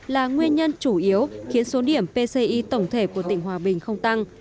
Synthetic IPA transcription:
laː˨˩ŋwi˧ənɲə˧nt͡ɕu˧˩ʔi˨˦əwxi˨˦ənso˨˦ɗi˧˩əmpe˧se˧ʔi˧t̪ə˧˩wŋ͡mt̪ʰe˧˩ku˧˩ət̪ï˧˩ŋ̟ɦwaː˨˩ɓï˨˩ŋ̟xə˧wŋ͡mt̪a˧ŋ

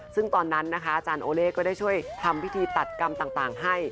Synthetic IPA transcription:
sɯ˥˩ŋt̪ɔː˧nːa˦˥nːa˦˥kʰa˦˥ʔa˧˩t͡ɕaː˧nʔoː˧leː˥˩kɔː˥˩daː˥˩jt͡ɕʰu˥˩əjt̪ʰa˧mwi˦˥t̪ʰiː˧t̪a˨˩t̪̚ka˧mt̪aː˨˩ŋt̪aː˨˩ŋɦa˥˩j

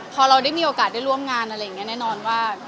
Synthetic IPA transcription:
pʰɔː˧ɾa˧wda˥˩jmiː˧ʔoː˧kaː˨˩t̪̚da˥˩jɾu˥˩əmŋaː˧nʔa˧ɾa˧jːa˨˩ŋːni˦˥nɛː˥˩nɔː˧nwaː˥˩

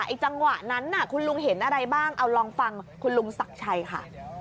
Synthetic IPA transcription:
ʔa˨˧˩t͡ɕa˧ŋwa˨˩ʔna˦˥nːa˧˩kʰu˧nlu˧ŋɦe˩˦nʔa˧ɾa˧jbaː˥˩ŋʔa˧wɾɔː˧ŋfa˧ŋkʰu˧nlu˧ŋsa˨˩k̚t͡ɕʰa˧jkʰa̰˥˩

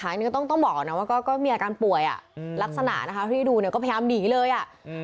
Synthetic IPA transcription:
aː˩˦nː˨˧˥t̪ɔ˥˩ŋt̪ɔ˥˩bɔː˨˩k̚na˦˥waː˥˩kɔː˥˩kɔː˥˩miː˧ʔaː˧aː˧npu˨˩əjʔa̰˨˩la˦˥k̚sa˧na̰˨˩ʔna˦˥kʰa˦˥pʰːiː˥˩duː˧ni˧˩kɔ˥˩a˧aː˧mdiː˨˩˦lɤː˧jʔa˨˩ʔ

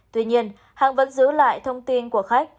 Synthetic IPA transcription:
t̪wi˧ɲi˧ən | haː˧ŋvə̰˧˥nzɨ˨˦la̰ː˧˨jt̪ʰə˧wŋ͡mt̪i˧nku˧˩əxa˦˥k̚

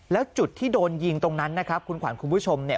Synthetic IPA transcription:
lɛː˦˥wt͡ɕu˨˩t̪ʰːiː˥˩doː˧nji˧ŋt̪o˧ŋna˦˥nːa˦˥kʰa˦˥p̚kʰu˧nkʰwa̰ː˩˦nkʰu˧mpʰuː˦˥˩t͡ɕʰo˧mni˥˩

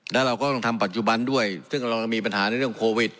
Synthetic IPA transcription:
naː˦˥˩ɾa˧wkɔː˥˩lɔ˧ŋt̪ʰa˧mpa˨˩t̪̚t͡ɕu˨˩ba˧ndu˥˩əjsɯ˥˩ŋɾa˧wa˧miː˧p̬a˧nhaː˩˦na˧jɾɯ˥˩əŋkʰoː˧wi˨˩t̪̚

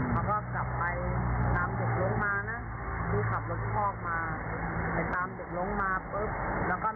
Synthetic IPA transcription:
maː˧˥wkɔː˥˩kla˨˩pːa˧jt̪aː˧mde˨˩k̚lo˧˦˥ŋmaː˧na˦˥ | duː˧˥˩kʰa˨˩p̚lo˦˥t̪̚pʰɔː˥˩k̚maː˧pa˧jt̪aː˧mde˨˩k̚lo˧˦˥ŋmaː˧pɤ˦˥p̚lɛː˦˥wkɔː˥˩

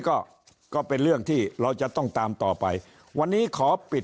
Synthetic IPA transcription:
kɔː˥˩ | kɔː˥˩pe˧nɾɯ˥˩əŋt̪ʰiː˥˩ɾa˧wt͡ɕa˨˩t̪ɔ˥˩ŋt̪aː˧mt̪ɔː˨˩pa˧j | wa˧nːiː˦˥kʰɔː˩˦pi˨˩t

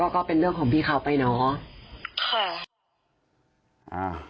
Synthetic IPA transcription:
ɔː˥˩kɔː˥˩pe˧nɾɯ˥˩əŋʰkɔː˨˩˦ŋpʰiː˥˩kʰa˦˥wpa˧jnɔː˨˦ | kʰa˧˩ | ʔa˧˩

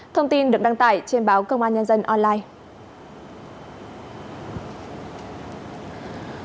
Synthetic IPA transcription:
t̪ʰə˧wŋ͡mt̪i˧nɗɨ˨˩ək̚ɗa˨˦ŋt̪a̰ː˧˨jt͡ɕe˧nɓaː˨˦wkə˧wŋ͡mʔaː˧nɲə˧nzə˧nʔɔ˧nlaː˧j

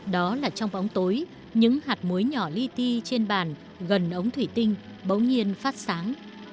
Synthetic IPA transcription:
ɗɔ˨˦laː˨˩t͡ɕɔ˧wŋ͡mɓɔ˨˦wŋ͡mt̪oː˨˦j | ɲɨ̰˧˥ŋhaː˨˩t̚mu˨˦jɲɔ˧˩li˧t̪i˧t͡ɕe˧nɓaː˧˩n | ɣə˨˩nʔə˨˦wŋ͡mt̪ʰwi˧˩t̪ï˧ŋ̟ | ɓə˨˦wŋ͡mɲi˧ənfaː˦˥t̚saː˨˦ŋ

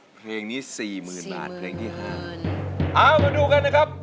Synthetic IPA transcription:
pʰleː˧ŋniː˦˥siː˨˩mɯː˨˩nba̰ː˨˩t̪̚pʰleː˧ŋt̪ʰiː˥˩ɦaː˥˩ʔaː˧˥˩wmaː˧duː˧ka˧nːa˦˥kʰa˦˥p̚

